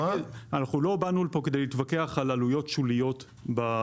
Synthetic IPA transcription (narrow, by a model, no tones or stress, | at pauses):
anaχnulo̞banulpo̞ked̪ejlit̪vake̞aχalalujo̞tʃulijo̞t | ba